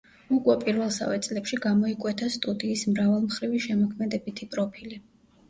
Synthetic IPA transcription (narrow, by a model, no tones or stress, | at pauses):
ukʼwɛpʼiɾvɛlˠsa̰vɛt̪sʼlɛpʃiɡamɔikʼwɛt̪ʰast̪ʼud̪iːsmɾavalˠmχɾiviʃɛmɔkʰmɛd̪ɛbit̪ʰipʼɾɔpʰili